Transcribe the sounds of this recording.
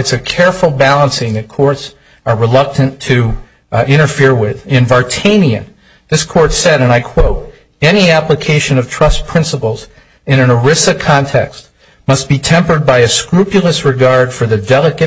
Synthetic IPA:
ɨtsɨkʰɛɹfl̩ˠbælˠə̃nsɪ̃ŋðɨt̚kʰɔɹts | ə˞ɹɨlʌk̚tɨ̃ntʰɨ | ɪ̃ɾ̃ə˞fɪɹwɪðɨ̃nvɑɹtʰẽɪ̃niɨ̰̃n | ðɪskʰɔɹtsɛɾɨ̃naɪkʰw̥oʊɾ | ɛniæpləkʰeɪʃɨ̃nʌv̥tʰɹ̥ʌspʰɹ̥ɪ̃nsəpl̩ˠz | ɨ̃ñɨ̃nə˞ɪsɨkʰɑ̃ntʰɛkst | mʌst̚b̥itʰɛ̃mpə˞d̚baɪɨskɹʉpjl̩ˠəsɹɨɡɑɹd̥fə˞ðɨdɛlˠəkɨ

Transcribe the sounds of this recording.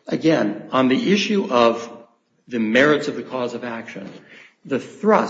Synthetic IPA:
ʔɨɡɛ̃nə̃nðiʔɪʃʉʔʌv | ðɨmɛɹɨtsʌvðɨkʰɔzʌvækʃɨ̰̃n | ðɨθɹʌ

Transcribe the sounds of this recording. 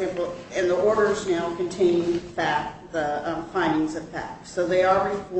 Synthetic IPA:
ɛ̃pl̩ˠɨ̃nðiɔɹɾə˞znaʊkʰɨ̃ntʰẽɪ̃nfæk̚ðəfãɪ̃ndɪ̃ŋzʌv̥fæ̰ksoʊðeɪəɹɨfɔ

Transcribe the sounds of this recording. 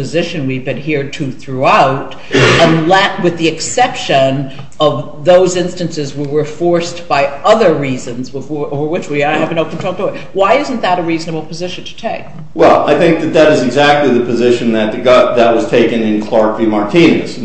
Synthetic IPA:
ɨzɪʃɨ̃nwivbɨ̃nɦiɹtʰʉθɹuaʊɾ | ə̃nlɛtwɨðiɨksɛpʃɨ̃n | ʌv | ðoʊzɪ̃nstɨ̃nsɨzwiwə˞fɔɹsb̥aɪʌðə˞ɹizɨ̃nzwɨovə˞wɨt͡ʃwiɨvɨ̃noʊpɨ̃ntʰɔk̚toɨ | waɪɪz̃n̩ðəɾɨɹiznɨbl̩ˠpʰɨzɪʃn̩tʰɨ̥tʰeɪk̚ | wɛ̰lˠa̰ɪθɪ̃ŋk̚ðɨt̪̚ðɨɾɨzɨɡzæk̚tˡliðɨpɨzɪʃɨ̃nðɨt̪̚ɨɡɑðɨt̚wʌz̥tʰeɪkɨ̃nɨ̃nkʰl̥ɑɹkvimɑɹtʰĩnɨ̰s

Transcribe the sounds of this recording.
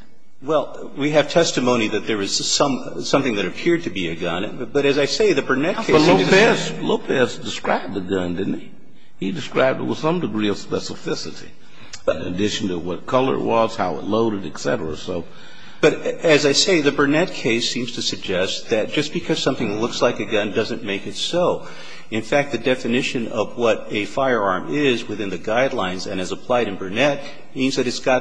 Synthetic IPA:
wɛlˠ | wiɨv̥tʰɛstɨmõʊ̃ñiðɨt̪̚ðə˞ɨz̥sʌ̃m | sʌ̃mθɪ̃ŋðɨɾɨpʰɪɹd̚tʰɨbiɨɡʌ̃nb̥ʌɾɨzaɪseɪðɨbə˞nɛt̚kʰe̥ʌtˡloʊpɛzloʊpʰɛzdɨskɹa̰ɪb̚ðɨɡʌ̃ndɪdⁿn̩i | hidɨskɹaɪb̚dɨt̚wəð̥sʌ̃mdɨɡɹiʌv̥spɛsəfɪsɨɾḭ̃ | nɨ̰dɪʃn̩tʰɨwʌt̚kʰʌlˠə̰˞wʌz̥haʊɨ̰tˡloʊɾɨɾɨksɛ̰ɾə˞ə̰soʊ | b̥ʌɾɨzaɪseɪðɨbə˞nɛt̚kʰeɪsĩmz̥tʰɨsɨɡ̚d͡ʒɛst̪̚ðɨt̚d̥ʒ̥ʌsb̥ɨkʰʌz̥sʌ̃mθɪ̃ŋlʊkslaɪkɨɡʌ̃ndʌzɨ̃nmeɪkɨtsoʊ | ɨ̃nfæk̚t̪̚ðɨdɛfɨnɪʃɨ̃nʌvwʌɾɨfaɪə˞ɑɹmɪzwɨθɪ̃nðɨɡaɪdˡlãɪ̃nzɨ̰̃ñɨzəpʰl̥aɪɾɨ̃nbə˞nɛt̚ | mĩnzðɨɾɨtsɡ̥ɑt̚

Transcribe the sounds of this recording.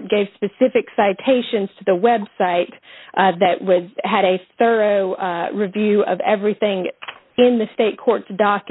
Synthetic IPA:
t̚ɡ̥eɪv̥spɨsɪfɨksaɪtʰeɪʃɨ̃nz̥tʰɨðəwɛbsaɪt̪̚ʔðɨʔwʌzɨɾɨθɜ˞oʊɹɨvjʉʌ̰vɛvɹiθɪ̃ŋ | ɪ̃nðɨsteɪt̚kʰɔɹtsd̥ɑk

